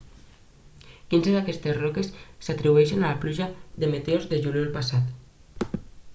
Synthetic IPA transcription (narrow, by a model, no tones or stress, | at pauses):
kinzeðakɛst̪ezrɔkesːat̪ɾiβueʃenalapluʒaðemet̪eozðeʒuljolpasat̪